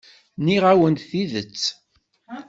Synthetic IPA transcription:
niʁæwənt̪θiðət͡sː

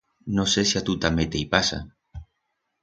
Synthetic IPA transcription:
nosesiat̪ut̪amet̪ejpasa̰

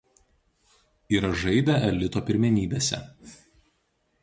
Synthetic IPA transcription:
iːɾɐʒɐɪd̪ʲɛʔɛlʲɪt̪oːpʲɪɾʲmʲɛnʲiːbʲeːsʲɛ̰

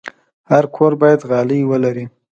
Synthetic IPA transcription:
haɾkʰoɾbɑjad̪ɣɑləjwəlaɾi

